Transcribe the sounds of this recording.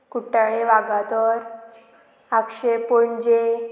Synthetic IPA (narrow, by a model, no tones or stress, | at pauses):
kuʈaɭeʋaɡat̪ɔɾ | akɕepoɳd͡ʑe